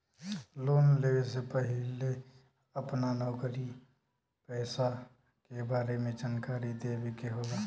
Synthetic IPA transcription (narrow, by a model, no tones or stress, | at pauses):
loːnleesepəɦɪle | əpnanɔːkɾi | pɛːsa | kebaːɾemẽd͡ʒaːnkaːɾid̪eːwekeɦoːɡaː